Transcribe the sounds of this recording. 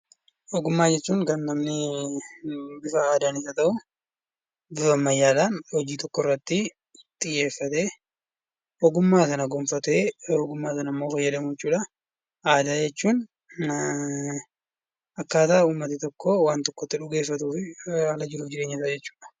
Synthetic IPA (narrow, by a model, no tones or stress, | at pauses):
ʔɔɡʊmːaːd͡ʒɛt͡ʃːuːŋkɐnːɐmnɪ | bɪfɐaːd̪aːnɪs̬ɐt̪ɐʔʊ | bɪfɐmːɐjːaːd̪aːnhɔd͡ʒiːt̪ɔkːɔɪrːɐt̪ːɪ | t̪ʼɪjːe̞ːfːɐt̪eː | ʔɔɡʊmːaːsɐnɐɡɔmfɐt̪eːɔɡʊmːaːsɐnɐmːo̞ːfɐjːɐd̪ɐmʊɛt͡ʃːuːᶑɐ | aːd̪aːd͡ʒɛt͡ʃːuːn | ʔɐkːaːt̪ɐʔuːmːɐt̪ɪt̪ɔkːɔwaːnt̪ɔkːɔt̪ːɪᶑʊɡe̞ːfːɐt̪uːfɪɐːlɐd͡ʒɪɾuːfd͡ʒɪɾe̞ːɲːɐsɐd͡ʒɛt͡ʃːu̥ːᶑɐ̥